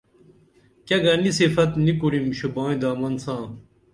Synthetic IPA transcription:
kɐɡɐnisifɐt̪nikuɽimɕubãːĩd̪aːmɐnsãː

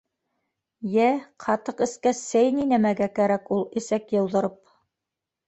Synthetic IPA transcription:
jæqʰɑt̪ɤqɘ̆skæsæjninæmæɡækæɾækulˠɘ̆sækjɤ̆wðɤ̆ɾɤp̚

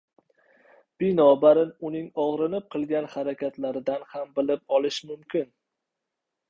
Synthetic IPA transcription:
b̥ɪnɒbaɾɪnʊnɪŋɒʁɾɪnɪp̚qʰɨlˠɡʲanhaɾakʲʰat̪laɾɪd̪anhambɪlɪp̚ɒlˠɪʃmʊmkʲɪn

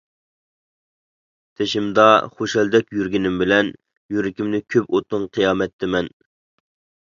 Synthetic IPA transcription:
t̪ʰeʃimd̪ɑχoʃɛld̪ɛkʲjyɾɡʲinɪmbɪlɛn | jyɾɪkʲimnɪkʲʰøpot̪ʊŋqʰijɑːmɛt̪ʰːɪmɛn

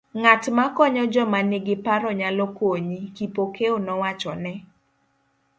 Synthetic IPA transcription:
ŋatmakɔɲɔd͡ʒɔmaneɡɪpaɾɔɲalɔkoɲikipokeonɔwat͡ʃɔnɛ

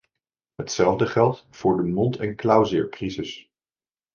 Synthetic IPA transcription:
ɦətsɛlˠvdəχɛlˠtfʊːɹdəmɔntɛnklawzɪɹkrizɪs

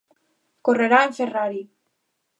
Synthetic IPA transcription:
koreɾaeɱferaɾi

